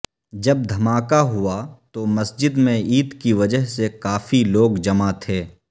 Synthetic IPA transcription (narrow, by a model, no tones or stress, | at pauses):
d͡ʒɐb̚d̪ʱɐmaːkaɦʊat̪omɐsd͡ʒɪd̪mẽiːt̪kiʋɐd͡ʒəɦsekaːfiloːɡd͡ʒɐmat̪ʰeː